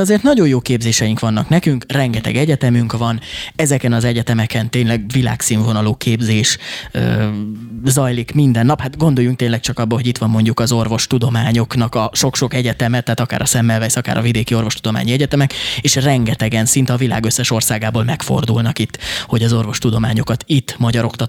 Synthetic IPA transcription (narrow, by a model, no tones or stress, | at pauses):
ɒzeːrt̪nɒɟo̞joːkeːbzeːʃɛjiŋkʋɒnːɒknɛkyŋkrɛŋɡɛt̪ɛ̰ɡɛɟɛt̪ɛmyŋkʋɒnɛzɛkɛnɒzɛɟɛt̪ɛmɛkɛnt̪eːnlɛɡvila̰ːksiːɱvo̞nɒloːkʰeːbzeːʃ | zɒjlikmind̪ɛnːɒphat̪ɡo̞nd̪o̞jːuŋk̚t̪eːnlɛk̚t͡ʃɒkɒbːɒlɦo̞ɟit̪ʋɒmːo̞ɲɟukɒzo̞rvo̞ʃt̪ud̪o̞maːɲo̞knɒkɒʃokʃo̞kɛɟɛt̪ɛmɛt̪ːɛːt̪ɒka̰ːɾɒsɛmːɛlvɛsɒka̰ːɾɒ̰vid̪eːkio̞rvo̞ʃt̪ud̪o̞ma̰ːɲiɛɟɛt̪ɛmɛkeːʃrɛŋɡɛt̪ɛɡɛnsint̪ɛɒvila̰ːɡøsːɛʃo̞rsaːɡaːboːlmɛkfo̞̰rd̪ṵlnɒkit̪ːho̞ɟɒzo̞rvo̞ʃt̪ud̪o̞maːɲo̞kɒt̪it̪ːmɒɟɒɾo̞kt̪ɒ